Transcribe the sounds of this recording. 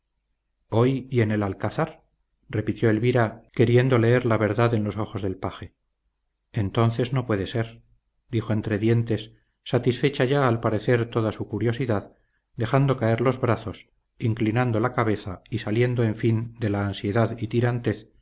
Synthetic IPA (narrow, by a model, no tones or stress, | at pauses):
o̞jie̞ne̞lalkaθaɾ | re̞pit̪jo̞elβiɾake̞ɾje̞nd̪o̞le̞e̞ɾlaβe̞ɾðaðe̞nlo̞so̞xo̞zðe̞lpaxe̞ | ent̪o̞nθe̞zno̞pwe̞ðe̞se̞ɾ | d̪ixo̞e̞nt̪ɾe̞ðje̞nt̪e̞sː | at̪isfe̞t͡ʃaʝaːlpaɾe̞θe̞ɾt̪o̞ðasukuɾjo̞siðað | d̪e̞xand̪o̞kae̞ɾlo̞zβɾaθo̞s | iŋklinand̪o̞lakaβe̞θaisalje̞nd̪oe̞ɱfind̪e̞laːnsje̞ðaðit̪iɾant̪e̞θ